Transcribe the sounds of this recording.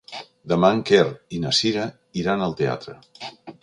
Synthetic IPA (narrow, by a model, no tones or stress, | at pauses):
d̪əmaŋkerinəsiɾə | iɾanəlˠt̪ea̰t̪ɾə̰